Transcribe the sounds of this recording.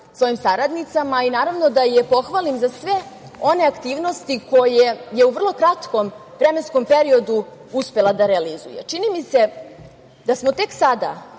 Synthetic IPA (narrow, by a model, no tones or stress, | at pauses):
sʋo̞jimsaɾad̪nit̪samainaːɾavno̞d̪ajepo̞xʋalimzasʋe̞o̞ne̞akt̪iːʋnost̪iko̞jeje̞uvr̩lˠo̞kɾat̪ko̞m | vɾeme̞nskompe̞ɾio̞d̪u | uspe̞lad̪aɾealizṵjḛt͡ʃinimise̞ | d̪̥asmo̞t̪e̞ksad̪a̰